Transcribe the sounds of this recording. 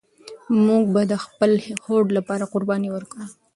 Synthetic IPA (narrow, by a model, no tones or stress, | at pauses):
muɡ̚bad̪əxpəlhoɖlapɑɾaqʊɾbɑniwəɾkɽə